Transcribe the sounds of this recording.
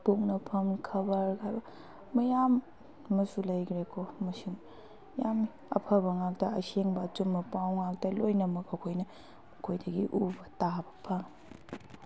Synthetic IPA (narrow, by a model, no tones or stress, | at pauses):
puk̚nɐpʰɐmkʰɐbɐɾkʰajbɐ | mɐjamː | ɐsulɐjɡɾekʰomɐsiŋ | jam | ɐ̰pʰɐbɐŋak̚dɐɐseŋbɐːt͡ʃumːɐpawŋak̚tɐlojnɐmɐkɐkʰojnɐ | ɐkʰojdɐɡiʔubɐtabɐpʰɐŋ